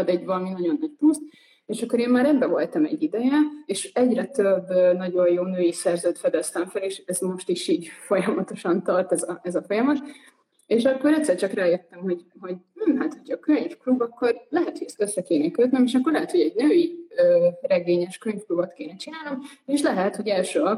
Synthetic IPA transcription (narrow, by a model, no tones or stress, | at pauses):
d̪ɛɟvɒlɒminɒɟo̞nːɒc̚pust̪ | eːʃɒkːo̞ɾeːmmaːɾɛbːɛvo̞lt̪ɒmɛ̰ɟːid̪ɛjɛeːʃɛɟrɛt̪øbːnɒɟo̞jjoːnøːjisɛrzøːt̪fɛd̪ɛst̪ɛɱfɛleːʃɛzmo̞ʃt̪iʃiːɟfo̞jɒmɒt̪o̞ʃɒnt̪ɒrt̪ɛzɒɛzɒfo̞jɒmɒt̪ | eːʃɒkːo̞ɾɛct̪sːɛrt͡ʃɒkraːjøt̪ːɛmho̞ɟɦo̞ɟm̩ːɦat̪hocʰɒkøɲfklubɒkːo̞rlɛɦɛt̪hoɟɛst̪øsːɛkeːnɛkøt̪nɛmeːʃɒkːo̞rlɛɦɛt̪ho̞ɟɛɟnøːjiøːrɛɡeːɲɛʃkøɲfklubot̪keːnɛt͡ʃinaːlnomeːʃlɛɦɛt̪ho̞ɟɛlʃøːɒ